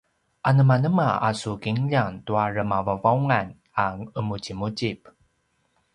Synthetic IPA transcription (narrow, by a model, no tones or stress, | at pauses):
ʔanəmanəmaasukiŋʎaŋtuarəmavavauŋan | aŋəmucimut͡ɕip